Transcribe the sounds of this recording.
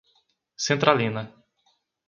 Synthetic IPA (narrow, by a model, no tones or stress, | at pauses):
sẽnt̪ɾʔalĩnɐ